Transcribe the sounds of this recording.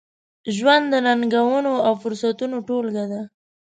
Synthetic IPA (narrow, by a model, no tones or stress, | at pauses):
ʒwand̪ːənaŋɡawənoawfʊɾsat̪unoʈolɡad̪a